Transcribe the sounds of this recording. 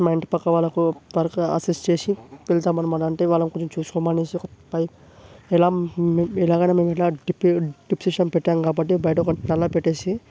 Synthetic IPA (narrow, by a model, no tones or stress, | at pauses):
mɐjɳʈpɐkːɐʋaːɭːɐkuʋɐɾɐkɐ̰sisʈt͡ʃeːsipelt̪aːmːɐnɐmːɐnɐɳʈeːʋaːlːɐmkoɲt͡ʃːɐmt͡ʃuːsu̥kɔmaːneːsiɔkɐpɐj | ɛlaːɛlaːɡɐjnaːmeːmɛʈlaːɖipɖipsiʂɐmpɛʈːaːmkaːbɐʈ̬ːibɐjɐʈɐkɐnɛlːaːpeʈːeːsi